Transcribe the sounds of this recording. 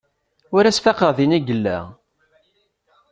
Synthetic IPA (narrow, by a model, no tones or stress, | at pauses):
ʊɾæsfɑqəʁðiniɡəlːæ̰